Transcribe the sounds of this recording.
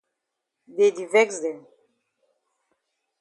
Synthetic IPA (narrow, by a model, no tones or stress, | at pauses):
dedivɛksdɛ̃m